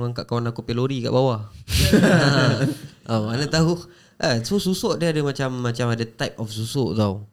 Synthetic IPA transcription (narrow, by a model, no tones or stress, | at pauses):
ŋaŋkaʔkawanakupeloɾika̰ʔbawa | a | ʔoanat̪aɦuh | ʔasosusoʔdiadəmat͡ʃamːat͡ʃamadət̪ajp̚ɔfsusoʔt̪aw